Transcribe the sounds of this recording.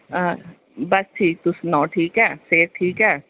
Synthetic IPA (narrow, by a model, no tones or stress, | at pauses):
bɐsʈʰiːk̚t̪usnɔːʈʰiːkɦɛːseːɾ̚ʈʰiːkɦɛː